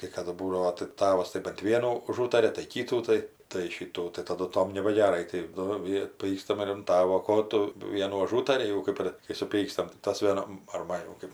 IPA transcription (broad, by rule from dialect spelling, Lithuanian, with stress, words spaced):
kɐɪ ˈkɑːdʊ ˈbuːdɐʋoː tɐɪ ˈtɑːʋɐs tɐɪ bɐnt ˈʋʲiɛnuː ʊˈʒuːtɐrʲɛ tɐɪ ˈkʲiːtuː tɐɪ tɐɪ ˈʃʲiːtuː tɐɪ ˈtɑːdʊ ˈtoːm nʲɛbɐɡʲɛˈrɐɪ tɐɪ ˈnʊ ˈʋʲiɛ ˈpʲiːkstɐm ɪr ɐn ˈtɑːʋoː ˈkoː tʊ ˈʋʲiɛnuː ɐˈʒuːtɐrʲɪ jɛʊ ˈkɜp ɪr kɐɪ sʊˈpʲiːkstɐm tɐɪ ˈtɐs ʋʲiɛˈnɐm ɐr ˈmɐn jɛʊ ˈkɜp